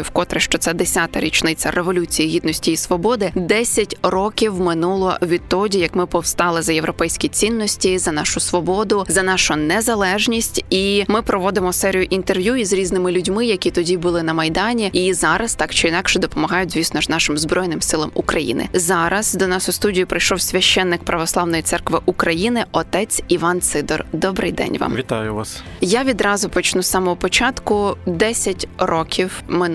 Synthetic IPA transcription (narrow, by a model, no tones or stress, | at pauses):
ʊwkɔt̪ɾɪʃt͡ʃɔt̪sɛd̪esʲat̪ɐɾʲit͡ʃnɪt͡sʲɐrʔeʋɔlʲut͡sʲijiɦʲid̪nɔsʲtʲiːsʋɔbɔd̪ɪd̪ɛssʲɐtʲrɔkʲiwmɪnulˠɔɔʋʲit̪ɔdʲijɐkmɪpɔwst̪ɑlˠɪzɐjewɾɔpɛjsʲkʲit͡sʲinːɔsʲtʲizɐnɑʃʊsʋɔbɔd̪ʊzɐnɑʃʊnɛzɐlˠɛʒnʲisʲtʲimɪpɾɔʋɔd̪ɪmɔsɛɾʲijʊʔint̪erʋjuizɾʲiznɪmɪlʲʊdʲmɪjɐkʲit̪ɔdʲibʊlˠɪnɐmɐjd̪ɑnʲiizɑɾɐst̪ɑkt͡ʃɔinɑkʃɛd̪ɔpɔmɐɦɑjʊtʲzʲʋʲisnɔʒnɑʃɪmzbɾɔjnɪmsɪlˠɐmukɾɐjḭnɪ̰zɑɾɐzd̪ɔnɑsʊst̪udʲijipɾɪjʃɔwsʲʋʲɐʃt͡ʃːɛnːɪk̚pɾʔɐʋɔslˠɑwnɔjitsɛrkʋɪʔukɾɐjinɪɔt̪ɛt͡sʲiʋɑnt̪sɪd̪ɔrd̪ɔbɾɪ̰jd̪ɛ̰nʲʋɑ̰mʋʲit̪ajʊʋɑs | jaʋʲid̪ɾɑzʊpɔt͡ʃnusɑmɔɦɔpɔt͡ʃɑt̪kʊd̪ɛsʲɐtʲrɔkʲʰiwmɪ